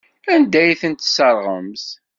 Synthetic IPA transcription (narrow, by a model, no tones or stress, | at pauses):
ænd̪æjθənt̪səɾˤʁə̰mθ